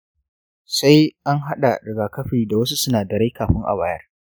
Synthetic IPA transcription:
sa˦jʔa˦ŋɦa˦ɗa˨ɽɪ˨ɡaː˨kɐ˦ɸiː˨da˨wɐ˦su˦sʊ˦naː˨dɐ˨ɾe˦kaː˨ɸɪ˦ŋʔa̰˨baː˨jɐ̰˦r

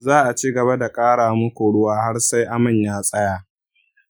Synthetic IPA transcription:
zaː˦ʔa˨t͡ʃiː˦ɡɐ˨βa˦da˨kʼaː˦ɽaː˨mʊ˦kʷu˨ɽʊ˦waː˦ha˦ɽsa˦jʔa˦mɪ˦˨ɲjaː˦sʼɐ˦jaː˦

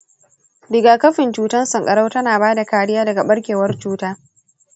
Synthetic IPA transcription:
dɪ˨ɡaː˨kɐ˦ɸɪ˨nt͡ʃuː˦tɐ˦nsɐ˨ŋkʼɐ˨ɽa˦wtɐ˦naː˨baː˦da˨kaː˨ɽɪ˦jaː˦dɐ˨ɡa˨ɓɐ˦ɽkʲeː˨wɐ˦rt͡ʃuː˦taː˦

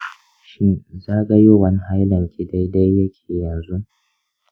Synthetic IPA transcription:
ʃɪ˦nzaː˦ɡɐ˦jo˦wɐ˦ni˦ha˦jlɐ˨ŋkʲi˦˨da˦jda˦jːɐ˦kʲʰe̥ː˨jɐ˨nzu˦ʔ

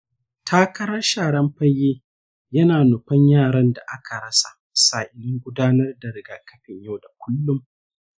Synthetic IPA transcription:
tʰaː˦kɐ˦ɾɐ˦rʃaː˨ɽɐ˦mɸɐ˦jːeː˦ | jɐ˦naː˨nʊ˨ɸɐ˦ɲjaː˦˨ɽɐ˦nda˨ʔa˦kʰa˨ɽɐ˦sḁ̰˨ | saː˨ʔɪ˨lɪ˦ŋɡʷʊ˦daː˦nɐ˦rda˨ɾɪ˨ɡa˨kɐ˦ɸɪ˨ɲja˦˨wda˨kʷʰʊ˦lːʊ˦m

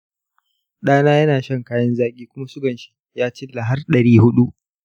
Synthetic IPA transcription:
ɗaː˦naː˦jɐ˦naː˨ʃɐ˦ŋkaː˦jɐ˦nzaː˦kʲʼiː˦kʷʊ˦ma˦sʊ˦ɡɐ˨nʃi̥˦ | jaː˦t͡ʃɪ˦lːa˨ɦa˦rɗɐ˨ɽiː˦hʊ˦ɗu˦ʔ

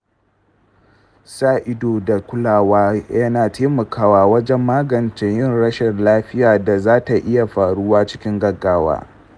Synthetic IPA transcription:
saː˦ʔɪ˦doː˨da˨kʷʊ˦laː˨waː˦jɐ˦naː˨tʰeː˦mɐ˨kʰaː˦waː˨wɐ˦d͡ʒɛ˦mːaː˦ɡɐ˨nt͡ʃɪ˦ɲjɪ˦nɽɐ˦ʃɛ˨nlaː˦ɸɪ˦jaː˨da˨zaː˦ta˨ʔɪ˦ja˨ɸaː˨ɽʊ˦waː˦t͡ʃɪ̥˦kʲɪ˦ŋɡɐ˦ɡaː˦wa̰ː˦

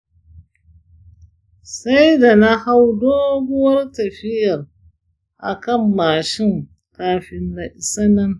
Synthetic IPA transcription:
sa˦jda˨na˦ha˦wdoː˦ɡʷʊ˦wɐ˦rtɐ˨ɸɪ˦jɐ˨r | ʔa̰˨kɐ˦˨mːaː˨ʃɪ˦˨ŋ | kaː˨ɸɪ˨nːa˨ʔɪ˨sa˦nɐ˦n

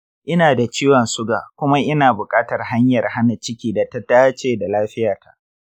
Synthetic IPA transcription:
ʔɪ˦naː˨da˨t͡ʃiː˦wɐ˨nsʊ˦ɡaː˨kʷʊ˦ma˦ʔɪ˦naː˨bʊ˨kʼaː˦tɐ˨rha˦ɲjɐ˨rha˦na˨t͡ʃɪ˦kʲiː˦da˨ta˦taː˦t͡ʃeː˨da˨laː˦ɸɪ˦jaː˨ta˨ʔ

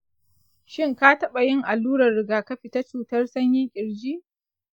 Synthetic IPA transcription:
ʃɪ˦ŋkaː˦tɐ˦ɓa˨jɪ˦ŋʔa˨lːuː˦ɽɐ˨rːɪ˨ɡaː˨kɐ˦ɸi˨ta˦t͡ʃuː˨tɐ˦rsɐ˦ɲji˦kʲʼɪ˨ɽd͡ʒiː˦ʔ

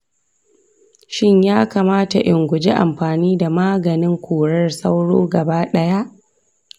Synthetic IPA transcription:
ʃɪ˦ɲjaː˦kaː˨maː˦ta˨ʔɪ˨ŋɡʷʊ˨d͡ʒe˦ʔa̰˨mɸaː˨niː˦da˨maː˦ɡɐ˨nɪ˦ŋkʷʰoː˨ɽɐ˦rsa˦wɽo̰ː˦ɡɐ˨baː˦ɗɐ˦ja˦ʔ

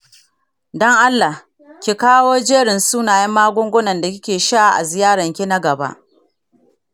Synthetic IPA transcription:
dɔ˦ŋʔa˦lːa˨h | kʲi˨kaː˦woː˦d͡ʒeː˦ɽɪ˨nsuː˦naː˨jɐ˦mːaː˦ɡʷʊ˦ŋɡʷʊ˦nɐ˨nda˨kʲɪ˦kʲeː˨ʃa˦ʔʔa̰˨zɪ˨jaː˦ɽɐ˨ŋkʲi˦na˦ɡɐ˨ba̰˦ʔ

